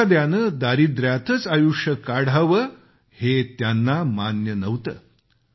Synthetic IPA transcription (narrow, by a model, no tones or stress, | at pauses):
ad̪janəd̪aɾiːd̪ɾjat̪ʰət͡sajuʂəkaɽ̤ʱaʋə | het̪janːamanjənəʋt̪ə̰